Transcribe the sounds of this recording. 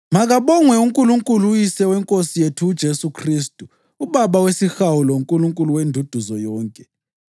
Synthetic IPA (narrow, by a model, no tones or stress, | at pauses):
maɣaβɔŋwɛuŋkʼuluŋkʼulujisɛwɛŋkʼosijetʰuːd̥ʒ̥ʱesukʰristʼu | uβaβawesixawulɔuŋkʼuluŋkʼuluwendʱud̥ʱuzɔjɔːŋkʼɛ